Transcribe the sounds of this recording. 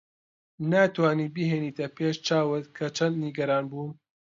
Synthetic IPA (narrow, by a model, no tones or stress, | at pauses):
naːt̪waːniːbiɦeːniːt̪ʰɐpʰeːʃt͡ʃaːwɨt̪kʰɐt͡ʃʰɐnd̪niɡɐɾaːnbuːn